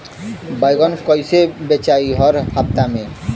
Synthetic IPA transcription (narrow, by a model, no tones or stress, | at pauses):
bajɡɔnkɔjsebet͡ʃaiɦɔɾhap̚t̪ame